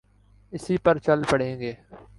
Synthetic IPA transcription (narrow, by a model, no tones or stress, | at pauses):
ɪsiːpəɾt͡ʃəlpəɽ̤ẽːɡeː